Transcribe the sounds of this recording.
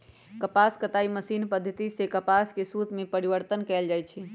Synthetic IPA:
kəpaskət̪aiməsinpəd̪ʱːət̪isekəpaskesut̪mepəɾiʋəɾt̪ənkɛld͡ʒajt͡ʃʰɛ

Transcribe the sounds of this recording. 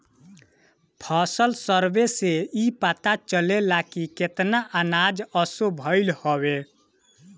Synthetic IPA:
pʰasəlsəɾbeseipat̪at͡ʃəlelakiket̪naʔanad͡ʒəsobʱəɪlhobe

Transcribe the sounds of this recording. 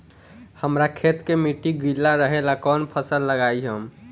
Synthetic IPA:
həmɾakʰet̪kemiʈiɡilːaɾəɦelakɔnpʰəsəlːəɡajɦəm

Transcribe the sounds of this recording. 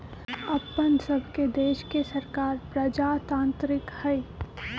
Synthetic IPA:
ɐpːənsɐbʱked̪eːʃkesɐɾkaːɾpɾɐd͡ʒaːt̪ãːnt̪ɾɪkhɛi

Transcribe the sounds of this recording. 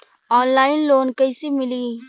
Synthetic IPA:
ɔːnlaːɪnloːnkɐɪsemɪli

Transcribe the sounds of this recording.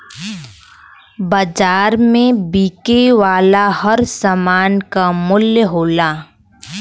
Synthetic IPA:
bəd͡ʒaːɾmẽbiːkeʋaːlahəɾsəmaːnkamʊljəɦoːlaː

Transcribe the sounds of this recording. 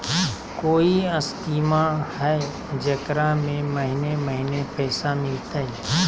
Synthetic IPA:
koːiəst̪iːmahɛ | d͡ʒɐkɾamẽməɦɪneməɦɪnepɛːsamɪlt̪aɛ

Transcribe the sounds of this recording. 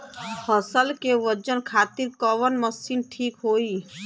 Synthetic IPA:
həsəlkeʋət͡ʃənkʰaːt̪iɾkəʋənməsinʈʰiːkɦoːi

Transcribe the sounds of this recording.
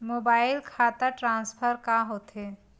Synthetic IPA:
moːbaːɪlkʰaːt̪aʈɾãːnspʰəɾkaɦot̪e

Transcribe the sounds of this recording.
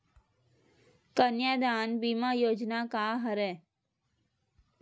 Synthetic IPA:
kənjaːd̪aːnbiːmajoːd͡ʒnakaɦəɾɛː

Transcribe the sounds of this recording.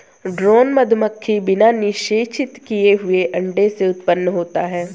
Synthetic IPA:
ɖɾoːnmɐd̪ʱməkʰːibɪnanɪʃeːt͡ʃɪt̪kijeɦʊeʔɐ̃ɳɖeseʊt̪pənːəɦoːt̪aɦɛː

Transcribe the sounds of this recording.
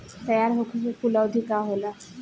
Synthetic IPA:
t̪əjaɾɦokʰusekulawd̪ʱikaɦola

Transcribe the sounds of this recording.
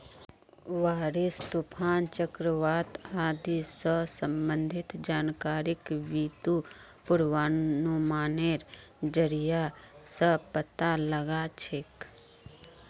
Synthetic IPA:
ʋaːɾist̪upʰaːnt͡ʃəkɾəʋaːt̪aːd̪isəsə̃mbə̃nd̪ʱɪt̪d͡ʒaːnkaːɾɪkʋiːt̪u | pʊɾwaːnumaːneːɾd͡ʒəɾijasəpət̪aləɡat͡ʃʰek

